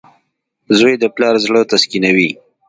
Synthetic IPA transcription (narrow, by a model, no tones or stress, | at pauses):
zojd̪əplɑɾzɽət̪askinawi